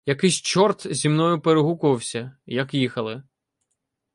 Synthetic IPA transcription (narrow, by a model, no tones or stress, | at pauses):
jɐkɪsʲt͡ʃɔrt̪zʲimnɔjʊpeɾeɦukʊʋɐwsʲɐjɐkjixɐlˠɪ